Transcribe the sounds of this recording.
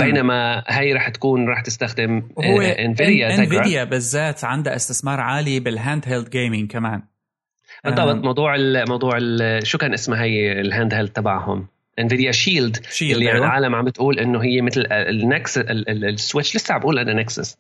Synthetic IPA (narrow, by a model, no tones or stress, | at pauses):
beːnamaɦajɾˤɑːħt̪ḁkuːnɾˤɑːħt̪ɪst̪axd̪ɪmhʊwːeʔɪnvɪd̪jatɪɪvɪadjabɪzːaːt̪ʕand̪aʔɪst̪ɪθmɑːɾˤʕaːlibɪlɦaːnd̪ɦeld̪ɡeːmɪŋkamaːn | b̥ɨtˤːɑbɑt̪ˤmɑwd̪ˤuːʕɪlmɑwd̪ˤuːʕɪlʃuːkaːnʔɪsmaɦajɪlɦaːnd̪hɪld̪̚t̪ːabaʕhʊ̰m | ʔɪnvɪd̪jaʃiːld̪ʃiːlːiʕaːlamʕambɪt̪ʔuːlʔɪnːʊɦɪjːemɪt̪lnaksswɪt͡ʃːlɪsːaʕbʔuːlʔananaksɪ̰s